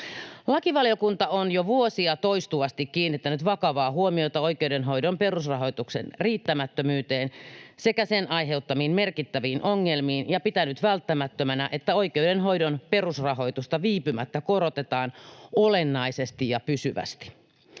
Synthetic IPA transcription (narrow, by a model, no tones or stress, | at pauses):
lɑkiʋɑljokunt̪ɑonjoʋuosiɑt̪o̞ist̪uʋɑst̪ikkiːnːit̪ːænyt̪ʋɑkɑʋɑːɦuomiot̪ɑo̞ikewdenɦo̞idompe̞ɾusrɑɦo̞jt̪uksḛnriːt̪ːæmæt̪ːømyːt̪e̞ːnse̞kæsenʔɑjɦe̞ut̪ːɑmiːnme̞rkit̪ːæʋiːnʔoŋːelmiːnjɑpit̪ænyt̪ʋælt̪ːæmæt̪ːømænæʔet̪ːæo̞ike̞wdenɦo̞jdonpe̞rusrɑɦo̞ijt̪ust̪ɑʋiːpymæt̪ːæko̞ɾot̪et̪ɑːnolenːɑisest̪ijɑpysyʋæ̰st̪i̥